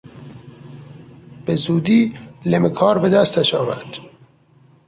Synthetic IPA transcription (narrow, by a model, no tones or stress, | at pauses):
b̥ezuːd̪iːlemekʰɒːɾbed̪æst̪æʃɒːvæɾd̪̥